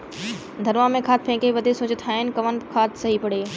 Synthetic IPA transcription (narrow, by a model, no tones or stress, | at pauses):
d̪ʱɐɾʋamẽkʰaːt̪̚ʰpʰẽːkeʋɐd̪ʱesʊ̃ːd͡ʑɪt̪ʰaːɦɪnɪ̆kɐʋənkʰaːt̪ʰsɐɦipɐɽeː